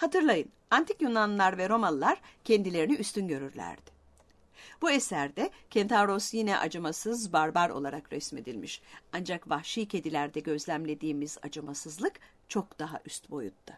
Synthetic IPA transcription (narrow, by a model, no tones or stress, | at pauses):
hat̪ʰɯɾlˠajɯn | ant̪ʰikjunanlˠaɾvɛɾo̞manlˠaɾ̥cʰend̪ilʲe̞ɾiniʔyst̪ynɟø̞ɾyɾlʲæ̰ɾd̪̥ɪ̥ | b̥uesæɾd̪ɛcʰent̪ʰavɾo̞sjinɛʔa̰d͡ʒamasɯzbaɾbaɾo̞̰lˠaɾakɾɛsme̞d̪ilʲmiʃand͡ʒakvahʃijcʰe̞d̪ilʲæɾd̪ɛɟø̞zlʲæmlʲe̞d̪iːmiza̰d͡ʒamasɯzlˠɯk | t͡ʃʰo̞kd̪̥aɦa̰ʔyst̪bo̞jṵt̪ːʊ